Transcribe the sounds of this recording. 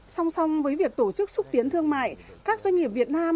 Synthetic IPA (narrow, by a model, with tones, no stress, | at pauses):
sa˧wŋ͡msa˧wŋ͡mvəː˨˦jvi˨˩ək̚t̪o˧˩t͡ɕɨ˦˥k̚sʊ˦˥k͡p̚t̪i˨˦ənt̪ʰɨ˧əŋma̰ː˧˨jkaː˦˥k̚zwa˧ŋ̟ŋi˨˩əp̚vi˨˩ət̚naː˧m